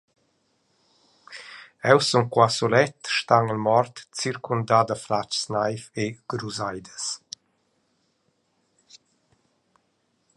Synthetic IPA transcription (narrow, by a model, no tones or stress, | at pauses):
ɛwsuŋkwasɔlɛt̪ʃt̪aŋəlmɔrt̪t͡siɾkʰund̪aːd̪əflat͡ʃsnajfeɡ̥ɾuzajd̪əs